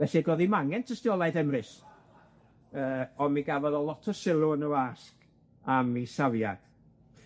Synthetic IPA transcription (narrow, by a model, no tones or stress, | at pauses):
vɛθiɡoːðimaŋɛntʰəstɪɔlˠajðɛmrɨs | əːɔmiɡavɔðɔlˠɔtʰɔsɪlˠuənuask | amisavjad̥